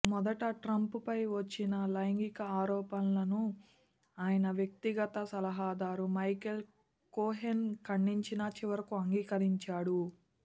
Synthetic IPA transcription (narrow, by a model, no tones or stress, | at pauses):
mɔd̪ɐʈɐʈɾɐmpupɐjʋɐt͡ʃːinɐlɐjŋɡikɐaːɾɔːpɐnlɐnu | aːjɐnɐʋjɐk̚t̪iɡɐt̪ɐsɐlɐɦaːd̪aːɾumɐjkel | koːɦenkɐɳːiɲt͡ʃinɐt͡ʃiʋɐɾɐkuɐŋɡiːkɐɾiɲt͡ʃaːɽu